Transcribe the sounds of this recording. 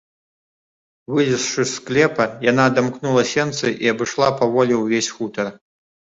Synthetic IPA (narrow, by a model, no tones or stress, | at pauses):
vɨlʲisʂɨsklʲɛpɐjanad̪amknulˠɐsʲɛnt̪sɨʔiɐbɨʂlˠapɐvɔlʲiwvʲesʲxut̪ɐr